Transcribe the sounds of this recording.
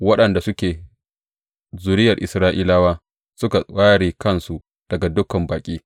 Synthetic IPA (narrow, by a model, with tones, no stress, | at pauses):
wɐ˦ɗɐ˨nda˨sʊ˦kʲeː˨ | zu˨ɾɪ˦jɐ˨rʔɪ˨sɾaː˦ʔiː˦laː˦waː˦ | sʊ˦ka˨aː˦ɽiː˨kɐ˦nsu˨ʔ | d̥ɐ˨ɡa˨dʊ˦kɐ˨mbaː˨kʲʼiː˦